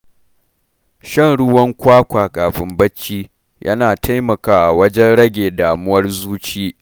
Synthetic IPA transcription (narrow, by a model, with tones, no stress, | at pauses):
ʃɐ˦˨nɽʊ˦wɐ˦ŋkʷaː˦kʷaː˨ɡaː˨ɸɪ˨mbɐ˦t͡ʃːiː˦ | jʔɐ̰˦naː˨tʰa˦jmɐ˨kaː˦ʔa˨wɐ˦d͡ʒɛ˦nɽɐ˦ɡʲeː˨daː˨mʊ˦wɐ˦rzuː˦t͡ʃiː˦